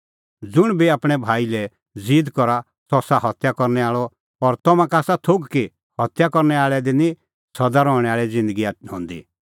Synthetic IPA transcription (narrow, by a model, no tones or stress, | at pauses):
d͡zʊɽ̃biaːpɽ̃ɛbʱaːilɛ | d͡ziːd̪kɔɾa | sɔsaɦɔt̪jakɔɾnɛaːɭɔ | ɔɾt̪ɔmãkaːsat̪ʰoɡki | hɔt̪jakɔɾnɛaːɭɛd̪inĩ | sɔd̪aɾɔːɽ̃ɛaːɭɛd͡zɪ̃nd̪əɡiaɦɔ̰̃ːnd̪ḭ